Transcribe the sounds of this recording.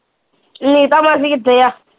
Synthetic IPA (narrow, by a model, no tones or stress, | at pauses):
n̩nitamas̬ikid̪ɛja